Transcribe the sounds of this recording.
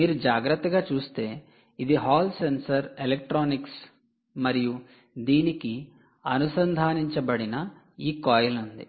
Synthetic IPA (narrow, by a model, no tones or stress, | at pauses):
miːɾud͡ʒaːɡɾɐt̪ːɐɡaːt͡ʃuːst̪e̞ː | id̪iɦaːlsensɐɾelek̚ʈɾaːniks | mɐɾiju | d̪iːniki | ɐnusɐnd̪ʱaːniɲt͡ʃɐbɐɽinɐ | iːkɔːjɐlund̪ḭ